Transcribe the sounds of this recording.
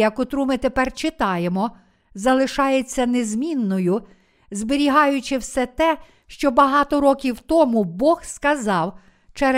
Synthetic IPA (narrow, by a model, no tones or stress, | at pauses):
jɐkʊt̪ɾumɪt̪epɛrt͡ʃɪt̪ɑjemɔ | zɐlˠɪʃɑjet͡sʲːɐnezmʲinːɔjʊ | zbɪɾʲiɦɑjʊt͡ʃɪwsɛt̪ɛ | ʃt͡ʃɔbɐɦɑt̪ɔɾɔkʲiwt̪ɔmubɔxskɐzɑw | t͡ʃɛɾ